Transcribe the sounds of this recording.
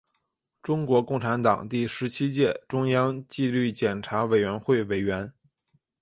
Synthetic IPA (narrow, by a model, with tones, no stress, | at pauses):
ʈ͡ʂʊ˥ŋkwɔ˧˥kʊ˥˩ŋʈ͡ʂʰa˧˥nt̪ɑ˨˩ŋt̪i˥˩ʂɻ̩˧˥t͡ɕʰi˥t͡ɕjɛ˥˩ʈ͡ʂʊ˥ŋjɑ˥ŋt͡ɕi˥˧ly˥˩t͡ɕjɛ˨˩nʈ͡ʂʰa˧˥we˨˩ɪɥɛ˧˥nxwe˥˩ɪwe˨˩ɪɥɛ˧˥n